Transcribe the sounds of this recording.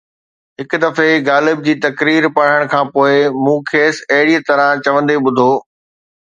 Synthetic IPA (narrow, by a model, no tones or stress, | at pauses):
ɦɪkd̪ɐfeɡaːlɪb̚d͡ʑiːt̪ɐkɾiːɾpɐɽ̤əɽ̃kʰãːpoːɪmũːkʰeːsɐɦɪɽit̪ɐɾãt͡ɕɐʋə̃nd̪eɓʊd̪ʱoː